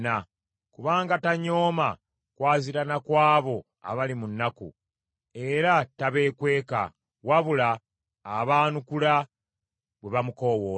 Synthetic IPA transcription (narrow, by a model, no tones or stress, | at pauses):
na | kuβaːŋɡataɲo̞ːma | kwaːziɾanakwaːβo̞ | a̰βalimunːakṵ | e̞ɾataβe̞ːkwe̞ːka̰ | waβulaː | βaːnukula | βwe̞βamuko̞woː